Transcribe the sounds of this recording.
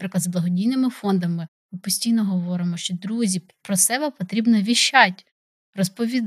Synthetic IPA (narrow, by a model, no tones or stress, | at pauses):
pɾɪklɐd̪zblˠɐɦɔdʲijnɪmɪfɔnd̪ɐmɪ | ɪpɔsʲtʲijnɔɦɔʋɔɾɪmɔʃt͡ʃɔd̪ɾuzʲi | pɾɔsɛbɛpɔt̪ɾʲibnɔʋʲiʃːɑtʲ | ɾɔspɔʋʲid̪